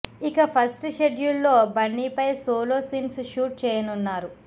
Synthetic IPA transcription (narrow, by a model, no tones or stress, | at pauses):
ikɐpʰɐsʈʃeɖjulːo̞ːbɐɳːiːpɐjsoːloːsiːnsʃuːʈ̚t͡ʃɛːjɐnunːaːɾu